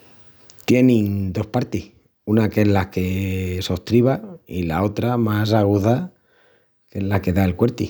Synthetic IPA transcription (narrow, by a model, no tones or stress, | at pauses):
t̪je̞nĩnd̪o̞hpaɾt̪ih | unake̞zlake̞so̞ht̪ɾiβailao̞t̪ɾamas̬aɣ̞uða | ke̞lake̞ðaelkwe̞ɾt̪i